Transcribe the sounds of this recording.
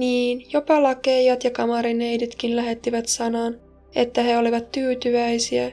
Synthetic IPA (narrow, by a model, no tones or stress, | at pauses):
niːnjo̞pɑlɑke̞jɑt̪jɑkɑmɑɾinejdit̪kinlæɦe̞t̪ːiʋæt̪sɑnɑːn | e̞t̪ːæɦe̞o̞liʋɑt̪ːyːt̪yʋæjsiæ